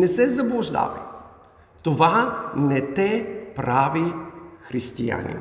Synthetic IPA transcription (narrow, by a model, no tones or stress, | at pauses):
nɛsɛzɐblˠʊʒd̪a̰vɛ̰ | t̪ovanɛt̪ɛpɾavixɾist̪ija̰nḭn